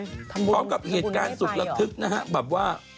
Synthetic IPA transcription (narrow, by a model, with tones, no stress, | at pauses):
kɔ˨˦kə˨˩p̚hi˨˩t̚kaː˨˧˦nzʊ˨˩k̚lə˨˩t̪ʰɨ˨˩k̚naː˧ɦa˧˨ɓaː˨˩ɓwaː˧˩